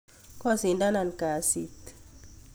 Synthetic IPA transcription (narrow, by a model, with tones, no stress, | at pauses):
kɔ˦si˨nda˦na˨nka˨si˦t̪